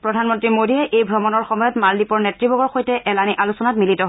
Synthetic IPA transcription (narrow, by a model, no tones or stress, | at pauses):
pɹɔdʱanmɔntɹimodijɛʔejbʱɹɔmɔnɔɹxɔmɔjɔtmaldipɔɹnɛtɹibɔɡɔɹxojtɛʔɛlaniʔalusɔnatmilitɔɦ